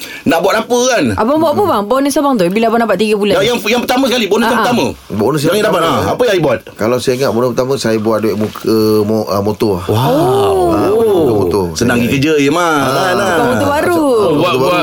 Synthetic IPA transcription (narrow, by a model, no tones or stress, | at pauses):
naʔbuaʔnapəkanʔabaŋbuaʔpəbaŋbonəsabaŋt̪ubilabanapat̪ʔ̚t̪iɡəbulaajaŋjaŋpət̪amə̃səkalibonəsjãmət̪amə̃ | bonəs̬aŋidapat̪aapəjãibuat̪̚kalawsaiŋaʔbonəpət̪aməsajəbuat̪̚dueʔmukʰəmoʔəmot̪oawao | kəmot̪osədaŋɡikəd͡ʒəjəmaaaamot̪ubaɾut̪uba